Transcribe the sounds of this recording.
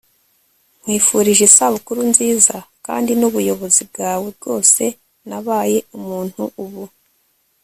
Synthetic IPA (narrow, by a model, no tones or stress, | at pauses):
ŋ̥wiːfuɾiʒesaβukuɾunziːzaka̰ːndinuβujo̞βo̞zib̚ɡaːweb̚ɡo̞ːse̞ | naβaːje̞umuːn̥huuβu